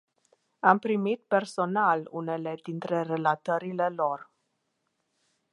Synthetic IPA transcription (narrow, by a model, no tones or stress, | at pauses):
ampɾimit̪̚pe̞rso̞nalṵne̞le̞d̪int̪ɾe̞re̞lat̪əɾile̞lor